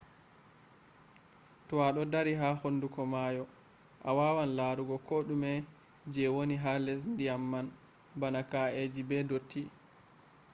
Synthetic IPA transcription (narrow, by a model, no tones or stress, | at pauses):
tɔwaɗɔdaɾiɦaːhondukɔmajɔ | ʔawawanlaɾuɡɔkɔɗumɛ | d͡ʒɛwoniɦalɛs̬ndiamːan | banakaed͡ʒibɛdotʰːi